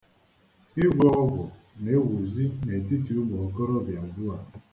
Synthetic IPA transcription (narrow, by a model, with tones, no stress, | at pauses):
i˦ɡʷɔ˦ɣʊ˦ɡʊ˨ | ne˨˦ɣu˨zi˦ne˨e˨ti˦t̬i˨u˦mo˨o˨ko˦ɾo˦˨bja˨ʊ˨bʊ˦a˨